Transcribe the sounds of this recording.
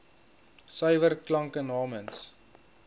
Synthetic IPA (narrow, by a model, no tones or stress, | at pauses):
səjvərklɐŋkənɑːməns